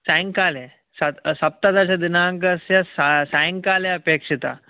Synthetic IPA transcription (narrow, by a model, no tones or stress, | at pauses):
sãŋkale | sasɐp̚t̪at̪at͡ɕad̪inaːŋkəsjasasãŋkaleəpekʂit̪a̰